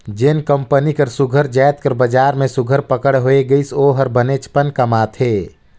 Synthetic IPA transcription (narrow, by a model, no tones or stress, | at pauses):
d͡ʒenkəmpənikəɾsʊɡʱəɾd͡ʒaːjt̪̚kəɾbəd͡ʒaːɾmẽsʊɡʱəɾpəkəɽɦoeɡəɪsoːɦəɾbənet͡ʃʰpənkəmaːt̪ʰɦeː